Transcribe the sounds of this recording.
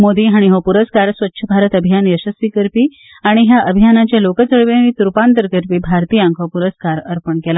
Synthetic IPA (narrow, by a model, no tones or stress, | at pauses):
mod̪iːɦaɽ̃iɦopuɾəskaɾsʋətːɕʰəbʱaɾət̪əbʱijanjəɕəsikəɾpiː | aɽ̃iɦjaʔəbʱijanat͡ɕjalokət͡səɭʋenit̪uɾpant̪əɾkəɾpiːbʱaɾt̪iːãŋkʰopuɾəskaɾəɾpəɳkɛla